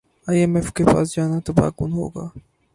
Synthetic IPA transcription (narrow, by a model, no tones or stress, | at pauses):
aːjemɛfkepa̰ːs̬d͡ʒaːnat̪ɐba̰ːkʊnɦo̰ːɡa̰ː